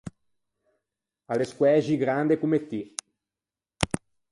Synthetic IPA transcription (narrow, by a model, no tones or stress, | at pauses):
aleskwɛːʒiɡɾand̪ekumet̪ːi